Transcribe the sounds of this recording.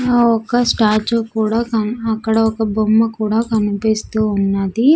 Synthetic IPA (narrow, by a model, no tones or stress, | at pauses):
ɔkɐsʈaːt͡ʃoːkuːɽaːkɐnɐkːɐɽɐɔkɐbʱomːɐkuːɽaːkɐnupeːst̪uːunːɐd̪i